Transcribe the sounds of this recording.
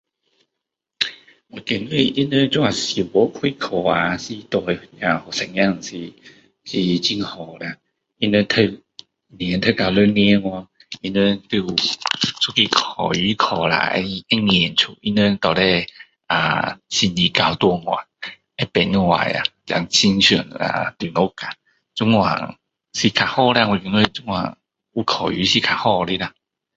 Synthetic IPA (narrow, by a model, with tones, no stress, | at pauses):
ɔ˨˩ke˨˩nwi˥˧ʔi˦nu˧˦t͡ɕu˥˧ŋa˨˩si˨˩˨bɔ˨˦kʰwi˦˧˦kʰɔ˨˩a˨si˧t̪ɔ˧˩jja˨˩hɔ˨˩sɛ˨˩ŋja˥˧˨ŋsi˧˩ | si˧t͡ɕi˧ŋhɔ˨˩la˧˩ | i˧nɛ˧t̪ʰə˧ | njnt̪ʰə˧˨ka˨˧˩wlə˦˧nĩ˧˦ŋwa˧˨ | i˧nwe˧t̪u˧ | sʰu˥˧˦ki˧kʰɔ˨˩y˧˦kʰɔ˨˩la̰˧ḛ˧˦˧ɛ˦˧ŋ˧ɛ˨nt͡sʰu˨˩i˧nwe˧t̪ɔ˨˩lɛ˧ | a̰˨˩ɕi˧˩ni˨˩ka˧˩wt̪wɔ˧ŋwa̰˨˩ŋ | e˦pɛ˨˦nwa̰˨˩ja̰˨t͡ɕa̰˨˦ŋt͡ɕi˦ŋɕu˨˩na̰˨˧t̪i˨˩nɔ˧˦ka˨ | t͡su˦˥ŋwa̰˨˩ŋ | si˧˩kʰa˨˩hɔ˥˧la˧wu˧˨i˧nwe˧t͡su˦ŋwa̰˨˩ŋ | u˧kʰɔ˨˩y˨˦ɕi˧kʰa˨hɔ˥˧li˧la˧